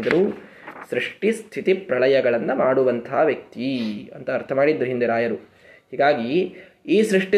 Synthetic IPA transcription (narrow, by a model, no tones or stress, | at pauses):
d̪ɐɾu | sɾiʂʈist̪ʰit̪ipɾɐɭɐjɐɡɐɭɐnːɐmaːɽuʋɐnt̪ʰaɦɐʋjɐk̚t̪iɐ̰nt̪ɐːɾt̪ʰɐmaːɽid̪ɐɾuɦind̪eɾaːjɐɾu | hiːɡaːɡiː | sɾiʂʈi